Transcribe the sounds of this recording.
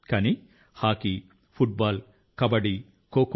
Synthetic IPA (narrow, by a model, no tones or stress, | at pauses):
kɐni | haːki | fuʈ̚baːl | kɐbɐɽi | koːk